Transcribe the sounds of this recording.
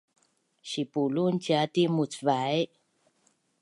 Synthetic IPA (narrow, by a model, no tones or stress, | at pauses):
ɕipulunciatimut͡svae